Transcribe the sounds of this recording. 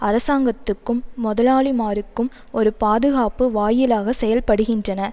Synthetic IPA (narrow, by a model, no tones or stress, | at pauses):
ɐɾɐsaːŋɡɐt̪ːɯkːɯmːɔðɐlaːlimaːɾɯkːɯm | ɔɾɯpaːðɯɣaːpɯʋaːjɪlaːɣɐsɛjɐlpɐɽɯɣɪndrɐnɐ